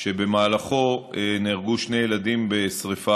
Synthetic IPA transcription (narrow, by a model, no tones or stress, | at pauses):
ʃe̞be̞maːlaχo̞eniʁɡuʃne̞jelad̪imbe̞sʁifa